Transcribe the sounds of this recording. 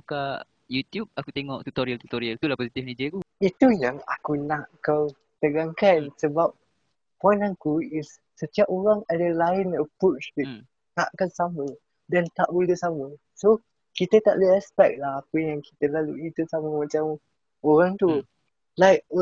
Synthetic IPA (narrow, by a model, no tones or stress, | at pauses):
uka | jut̪jub̚akut̪eŋɔʔt̪ut̪oɾialt̪ut̪oɾiəlt̪ulahposit̪ifnid͡ʒəkuit̪ujaŋa̰kunaʔkaw | t̪əɡaŋkansəbap̚ | pɔ̃jnakuɪsːət̪iapoɾaŋadəlaɪnəpɾot͡ʃbi | naʔkansamə | dɛnt̪aʔbud̪əsamə | so | kit̪ət̪aʔləɛspɛk̚laahapəjaŋki̥t̪əlaluit̪usaməmat͡ʃam | oɾaŋt̪u | lajk̚